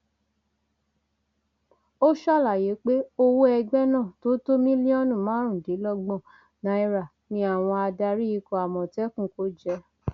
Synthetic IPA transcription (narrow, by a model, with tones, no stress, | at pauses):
o˦ʃa˦˨la˨je˨˦k͡pe˦o˧wo˦ɛ˧ɡ͡bɛ˦nãː˦˨to˦to˦mĩ˦li˦ɔ˦nũ˦˨mãː˨˦ɾ̃ũ˦˨di˨˦lɔ˦ɡ͡bɔ̃˦˨ | nã˧˦i˧ɾa˨ | nĩ˧˦a˦˨w̃ɔ̃˧a˧da˧ɾi˦i˧kɔ˧˨a˨mɔ̃˨tɛ˦kũ˦ko˨˦d͡ʒɛ˧˦